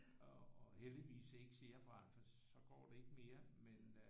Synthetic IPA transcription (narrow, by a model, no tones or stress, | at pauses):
ɒːheld̥iʋḭːse̝ɡ̥se̝ɐb̥ʁɑn̰fɒ | sɒ̽ɡ̥ɒ̰ːd̥e̝e̝ɡ̥əme̝ːɐmen